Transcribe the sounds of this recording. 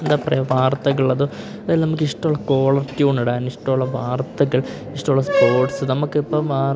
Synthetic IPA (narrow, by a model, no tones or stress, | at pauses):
end̪aːpɐrɐ̰joʋaːrt̪ɐɣɐɭɐðɨ | ɐðajlnɐmukːiʂʈɐuɭːɐko̞ːɭɐrtuːɳɐɽaːniʂʈɐmuɭːɐʋaːrt̪ːɐɣɐɭ | iʂʈɐmuɭːɐspo̞ːrʈsɨnɐmukːpːɐʋaː